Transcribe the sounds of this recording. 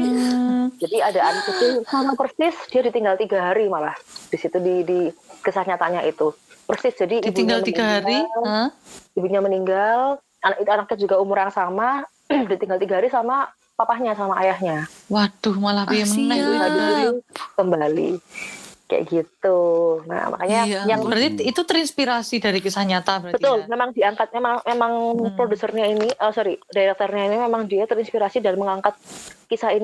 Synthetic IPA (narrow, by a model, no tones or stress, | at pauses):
d͡ʒadiadaʔanakit̪ɪsamakərsɪsd̥iadit̪iŋɡalt̪iɡaɦaɾimalahd̥isit̪udidikəsat̪ɲat̪aɲaʔit̪ukərsɪsd͡ʒadidibiɲɡalmiɡaɦaɾial | ibuɲaməniŋɡal | anʔit̪uanak̚ɪd͡ʒuɡaumʊɾjaŋsama | dit̪iŋɡalt̪iɡaɦaɾisama | papahɲasamaajahɲawad̥ʊhmalahbiamənnailaiiikəmbalḭ | ka̰ja̰ɡit̪una̰mʔa̰kaɲajaŋbəɾat̪iit̪ut̪əɾinspiɾasidaɾikisahɲat̪abəɾabət̪ʊlmemaŋdiaŋkat̪̚memaŋmemaŋpɾodusərɲainiʔəsɔɾidaɾɛk̚t̪ɔrɲainimemaŋdiat̪əɾinspiɾasidalməŋaŋkat̪̚kisahin